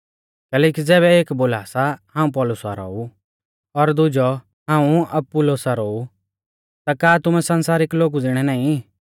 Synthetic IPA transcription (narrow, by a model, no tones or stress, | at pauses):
kɛːlɛːkid͡zɛːβɛeːkboːlaːsahãːũp̬ɔːlʊsa̰ɾɔ̰ːu | ɔɾd̪ʊd͡ʒɔ | ɦãːũɐpːulosaɾɔːu | t̪akaːt̪ʊmɛsɐ̃nsaːɾɪkloːɡud͡zɪɽ̃ɛnãːĩ